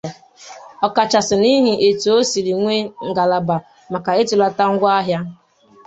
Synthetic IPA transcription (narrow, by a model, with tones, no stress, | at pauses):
ɔ˨ka˨t͡ʃa˨sɪ˨ni˦ɦi˨ʔe˨tu˨o˦si˨ɾi˨ŋʷe˦ŋ̩˨ɡa˨la˨ba˨ | ma˨ka˨e˦tu˨la˦ta˦ŋ̩˦ɡʷa˦ɦja˦